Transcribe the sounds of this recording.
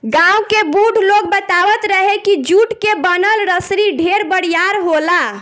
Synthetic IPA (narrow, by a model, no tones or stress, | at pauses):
ɡãwkebuɖʱlok̚bət̪abət̪ɾəɦekid͡ʒuʈkebənəlɾəsɾiɖʱeɾbəɽjaɾɦola